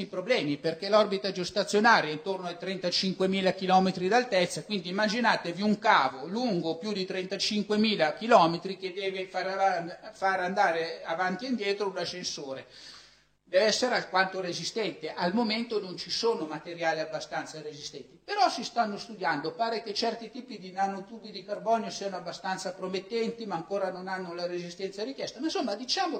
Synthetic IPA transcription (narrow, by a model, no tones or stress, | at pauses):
ipɾoblɛːmiperkelɔrbit̪ad͡ʒost̪at̪sːjonaːɾjaint̪ornoajt̪ɾɛnt̪at͡ʃiŋkwemiːlakilɔːmet̪ɾid̪alt̪ɛt̪sːakwind̪iːmːad͡ʒinaːt̪eviuŋkaːvoluŋɡopjud̪it̪ɾɛnt̪at͡ʃiŋkwemiːlakilɔːmet̪ɾik̟ed̪ɛːvefaɾaafaɾand̪aːɾeavant̪iind̪jɛːt̪ɾounaʃːensoːɾe | d̪ɛvɛsːeɾealkwant̪orezist̪ɛnt̪eʔalmoment̪onont͡ʃisoːnomat̪eɾjaːliabːast̪ant̪saɾezist̪ɛnt̪ipeɾɔsist̪anːost̪ud̪jand̪opaːɾeket͡ʃːɛrt̪it̪iːpid̪inanot̪uːbid̪ikarbɔːnjosiːanoabːast̪ant̪sapɾomet̪ːɛnt̪imaːŋkoːɾanonanːolaɾezist̪ɛnt̪saɾikjɛst̪amainsomːad̪it͡ʃaːmo